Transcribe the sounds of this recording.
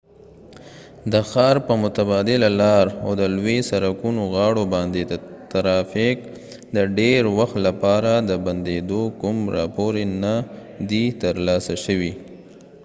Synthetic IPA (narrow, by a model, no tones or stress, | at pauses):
d̪əxɑɾpəmʊt̪abɑd̪ɪlalɑɾawd̪əlwesaɾakunoɣɑɽobɑnd̪ed̪ət̪aɾɑfɪk̚ | d̪əɖeɾwaxt̪lapɑɾad̪əband̪ed̪okʊmɾɑ̰poɾena | d̪it̪əɾlɑsaʃəwi